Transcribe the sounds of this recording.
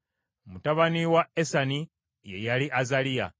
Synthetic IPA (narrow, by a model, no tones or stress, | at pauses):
mutaβaniwaesani | je̞jaliʔazalija̰